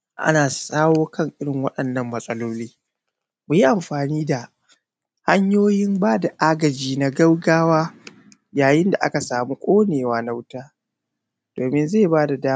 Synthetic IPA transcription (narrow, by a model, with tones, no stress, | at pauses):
ʔa̰˦naː˨sʼaː˦woː˦kɐ˦ŋʔɪ˦ɽɪ˨ŋwɐ˦ɗɐ˨nːɐ˦mːɐ˨sʼɐ˦loː˦liː˦ | mu˨ji˦ʔa˨mɸaː˨niː˦da˨ | ha˦ɲjoː˦jɪ˦mbaː˦da˨ʔaː˦ɡɐ˨d͡ʒiː˦na˨ɡɐ˦wɡaː˦waː˦ | jaː˨jɪ˦nda˨ʔa̰˦ka˨saː˨mu˦kʷʼoː˦neː˨waː˦na˦wʊ˦taː˦ | d̥oː˨mɪ˦nze˦˨baː˦da˨daː˦